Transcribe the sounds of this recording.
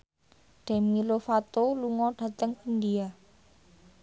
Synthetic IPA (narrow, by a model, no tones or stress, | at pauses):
ɖ̥amilofat̪oluŋɔɖ̥a̤t̪əŋind̪ia